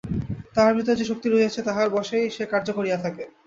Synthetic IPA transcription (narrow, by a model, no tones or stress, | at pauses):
t̪aaɾbɾit̪od͡ʑeʃok̚t̪iɾoɦeat͡ɕʰet̪aɦaɾbɔʃejʃekaɾd͡ʑokoɾijat̪ʰake